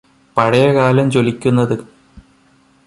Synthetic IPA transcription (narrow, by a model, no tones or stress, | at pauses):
pɐɽɐjɐkaːlɐmt͡ɕo̞likʲːunːɐðɨ